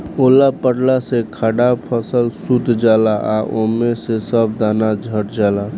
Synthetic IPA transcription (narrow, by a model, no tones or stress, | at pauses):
oːlapəɽlasekʰaɽapʰəsəlsut̪d͡ʒaːlaʔaʔomesesəbd̪anad͡ʒʱəʈd͡ʒaːla